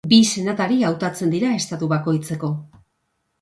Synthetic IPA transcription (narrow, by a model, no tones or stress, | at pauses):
bise̞nat̪aɾiawt̪at͡se̞nd̪iɾae̞st̪at̪uβako̞jt͡se̞ko̞